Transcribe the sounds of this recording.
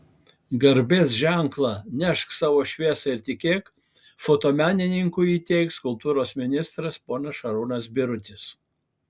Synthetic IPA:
ɡɐɾʲbʲeːsʒʲæˑŋklˠɑnʲɛʃksɑːʋoːʃʲʋʲiɛsɐɪɾt̪ʲɪkʲeːk | foːt̪oːmʲæːnʲɪnʲɪŋkʊiːt̪ʲɛɪkskʊlˠt̪uːɾoːsmʲɪnʲɪst̪ɾɐspoːnɐsʃɐɾuːnɐsbʲɪɾʊt̪ʲɪs

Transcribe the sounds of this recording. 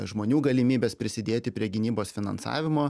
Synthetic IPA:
ʒmoːnʲuːɡɐlʲɪmʲiːbʲeːspʲɾʲɪsʲɪd̪ʲeːt̪ʲɪpʲɾʲiɛɡʲɪnʲiːboːsfʲɪnɐ̰nsɑ̰ːʋʲɪmoː

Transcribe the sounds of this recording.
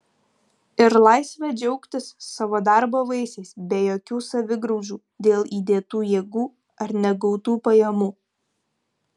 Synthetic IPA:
ɪɾlˠɑˑɪsʲʋʲɛd͡ʒʲɛʊkt̪ʲɪsːɑʋoːd̪ɑɾboːʋɐɪsʲɛɪsbʲɛjoːkʲuːsɐʋʲɪɡɾɐʊd͡ʒʲuː | d̪ʲeːlˠiːd̪ʲeːt̪uːjeːɡuː | ɐɾnʲɛɡɒʊt̪uːpɐjɛmuː

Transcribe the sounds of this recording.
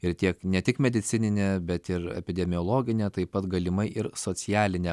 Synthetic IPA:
ɪɾt̪ʲiɛknʲɛt̪ʲɪkmʲɛd̪ʲɪt͡s̪ʲɪnʲɪnʲebʲɛt̪ɪɾɛ̰pʲɪd̪ʲɛmʲɪjoːlˠoːɡʲɪnʲet̪ɐɪpɐt̪ɡɐlʲɪmɐɪʔɪɾsoːt͡s̪ʲɪjæːlʲɪnʲɛ

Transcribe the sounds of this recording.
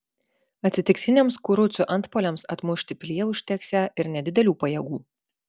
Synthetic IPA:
ɐt̪ʲsʲɪt̪ʲɪkt̪ʲɪnʲeːmskʊɾʊsʲʊʔɐnt̪poːlʲɛmsɐt̪mʊʃʲt̪ʲɪpʲlʲiɛʊʃʲt̪ʲɛksʲæʔɪɾnʲɛd̪ʲɪd̪ʲɛlʲuːpɐjɛɡuː

